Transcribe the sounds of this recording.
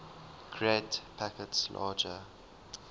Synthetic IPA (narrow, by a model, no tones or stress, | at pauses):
ɡ̥ʰɹedpʰakətslʔɑ̰ːd͡ʒə